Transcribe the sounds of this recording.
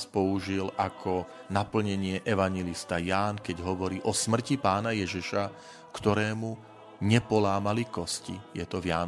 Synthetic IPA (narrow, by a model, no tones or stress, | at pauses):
spɔuʒilʔakʰɔ | napl̩ɲɛɲɪɛʔɛʋaɲjɛlist̪ajaːnkɛɟɦɔʋɔɾiːʔɔsmr̩cipaːnajɛʒiʃa | kt̪ɔɾɛːmu | ɲɛpɔlaːmalikɔscḭjɛt̪ɔʋjaːn